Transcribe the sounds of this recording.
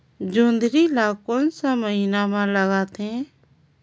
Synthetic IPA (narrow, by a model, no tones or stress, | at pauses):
d͡ʒoːnd̪ɾilaːkõːnsãːməɦinaːmãləɡaːt̪ẽ